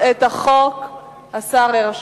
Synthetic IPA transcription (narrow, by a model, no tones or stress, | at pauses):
et̪aχok | asaʁeʁaʃ